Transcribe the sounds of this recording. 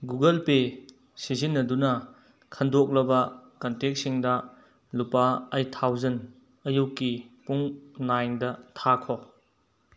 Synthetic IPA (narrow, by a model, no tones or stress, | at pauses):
ɡuɡɐlpe | sizinːɐdunɐ | kʰɐndok̚lɐbɐkɐntek̚siŋdɐ | lupaɐjtʰawzɐn | ɐjukːipuŋnajndɐtʰakʰo